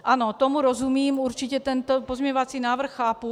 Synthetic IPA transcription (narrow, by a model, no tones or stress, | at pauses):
ʔano̞t̪omuɾozumiːmuɾt͡ʃɪcɛt̪ɛnt̪opo̞zmʲɛɲovat͡siːnaːvr̩xːaːpu